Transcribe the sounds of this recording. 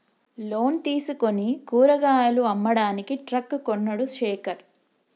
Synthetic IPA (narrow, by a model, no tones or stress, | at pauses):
lo̞ːnt̪iːsuko̞nikuːɾɐɡaːjɐluɐmːɐɽaːnikiʈɾɐkːkonːɐɽuseːkɐɾ